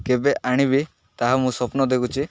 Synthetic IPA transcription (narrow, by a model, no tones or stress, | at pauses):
kebeʔaɽ̃ibi | t̪aɦamũsɔpnɔd̪ekut͡ʃʰi